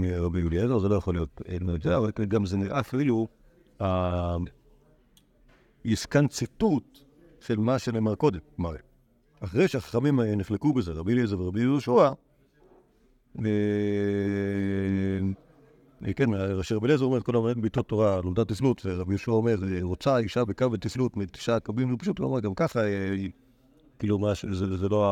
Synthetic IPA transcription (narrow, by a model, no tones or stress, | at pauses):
meʁabijuliezezelo̞jaχo̞lijo̞tenmed͡ʒawekeɡamzeniʁʔafilu | a | iskant͡situt̪ | ʃelmaʃelemaʁko̞d̪et̚maʁe | aχʁejʃeaχḁχamimniχlekubezeʁabijuliezeveʁabijulʃua | me | kenmʁaʃeʁabilezeome̞t̚kolamnenbit̪ot̪ːoʁanoldatislutveʁabijuʃuaome̞ʁeʁot͡saiʃabekavetislutmit̪i̥ʃakabimlopḁʃut̪a̰maɡamkaχa | kiːlumaʃezezelo